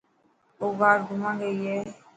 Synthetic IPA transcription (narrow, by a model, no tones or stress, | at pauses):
ovadumãɡejɛ